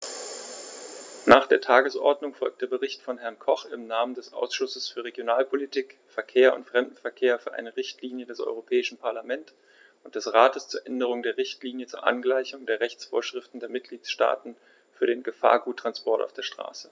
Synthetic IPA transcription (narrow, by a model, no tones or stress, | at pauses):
naːχd̥eːɐtʰaːɡəsʔɔ̰ɐdnʊŋfɔlk̚d̥eːɐbəʁɪçtfɔnɦɛɐnkʰɔχɪ̰mnaːməndɛsʔa̰ʊsʃʊsəsfyːɐʁeɡjonaːlpʰolitʰiːkfɛɐkʰeːɐʊ̰ntfʁ̥ɛmdn̩fɛɐkʰeːɐfyːɐʔa̰ɪnəʁɪçtʰliːnjədɛsʔɔ̰ʏʁ̞opʰɛːɪʃn̩pʰaɐlamɛnt | ʔʊnt̚d̥ɛsʁaːtəst͡suːɐʔɛndəʁ̞ʊŋdeːɐʁɪçtliːnjət͡suːɐʔa̰nɡlaɪçʊŋdeːɐʁɛçt͡sfo̰ːɐʃʁ̥ɪftn̩deːɐmɪt̚ɡ̥liːt͡sʃta̰ːtn̩ | fyːɐɾeːnɡəfa̰ːɐɡuːtːʁ̥anspɔɐtʔa̰ʊfd̥eːɐʃtʁ̥a̰ːsə̥